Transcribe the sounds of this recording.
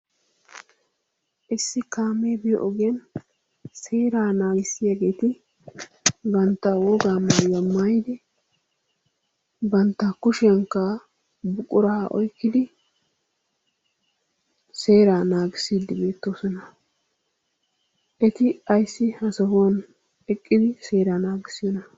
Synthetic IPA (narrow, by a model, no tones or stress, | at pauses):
ʔɪsːɪkaːmeːbɛjʔɔɡɐn | se̞ːɾaːnaːɡɪsɪjaːɡe̞ːt̪ɪ | bɐnt̪ːɐwɔɡaːmaːjɐmːaːjɪd̪ɪ | bɐnt̪ːɐkʊʃɪɐŋkːɐ | bʊkʼːʊɾaːɔ̰jkːɪd̪ɪ | se̞ːɾaːnaːɡɪsiːd̪ɪbe̞ːt̪ːoːsɔnɐ | ʔɛt̪ɪɐjsːɪhɐsɐɦoːn | ɛkʼːɪd̪ɪseːɾaːnaːɡɪsɪjɔnɐ